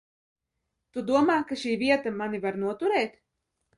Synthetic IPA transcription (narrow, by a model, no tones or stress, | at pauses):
t̪ud̪uɔmaːkaʃiːviɛt̪amanivaɾnuɔt̪uɾɛːt̪